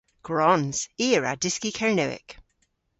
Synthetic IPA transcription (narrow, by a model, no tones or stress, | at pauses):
ɡ̥ɹɔnz̥iːɹa̰dɪskikʰaɹnəɪ̰k